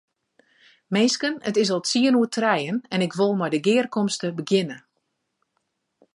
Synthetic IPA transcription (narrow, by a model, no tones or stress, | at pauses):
meːskənətɪsɔlˠtsiənuətʰrɛjənɛnɪkʋolˠmɔjdəɡɪːrkɔmstəbəɡjɪnə